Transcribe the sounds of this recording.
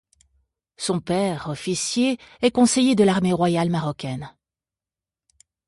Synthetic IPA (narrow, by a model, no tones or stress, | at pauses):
sɔ̃pɛʁɔfisjeɛkɔ̃sejed̪əlaʁmeʁwajalmaʁɔkʲɛn